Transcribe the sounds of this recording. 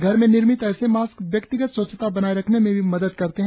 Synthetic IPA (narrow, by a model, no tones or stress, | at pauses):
ɡʱɐɾmẽnɪɾmɪt̪ɛːsemaːskʋjɐkt̪ɪɡət̪sət͡ʃt̪abɐnaːiɾɐkʰnemẽbʱimɐd̪əd̪kɐɾt̪eɦɛ̃